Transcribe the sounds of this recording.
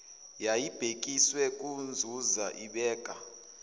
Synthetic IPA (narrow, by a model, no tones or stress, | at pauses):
jajib̥ʱekʼiswɛkʼund͡zʱuzaʔiɓɛːkʼa